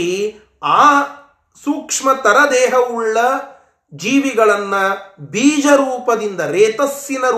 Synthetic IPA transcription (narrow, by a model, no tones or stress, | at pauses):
i | aː | suːkʂmɐt̪ɐɾɐd̪ɛːɦɐuɭːɐ | d͡ʒiːʋiɡɐɭɐnːɐbiːd͡ʒɐɾuːpɐd̪ind̪ɐɾɛːt̪ɐsːinɐɾ